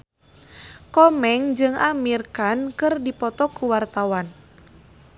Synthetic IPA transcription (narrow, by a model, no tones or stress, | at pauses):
kɔmɛŋd͡ʒɨŋamirkankɨrdipɔt̪ɔkuwart̪awan